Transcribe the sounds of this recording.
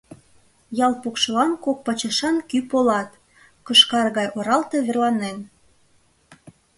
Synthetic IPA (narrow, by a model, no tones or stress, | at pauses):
jɑlpukʃɤlɑnkok̚pɑt͡ɕɑʃɑnkypolɑt̪ | kɤʃkɑrɣɑjʔoɾɑlt̪e̽βerlɑnen